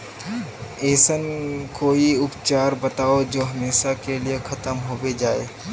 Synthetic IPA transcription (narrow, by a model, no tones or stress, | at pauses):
eːsənkoːiʊpt͡ʃaːɾbɐt̪aːod͡ʒoːɦɐmeːʃakeliexʰɐt̪əmɦowed͡ʒaːḛː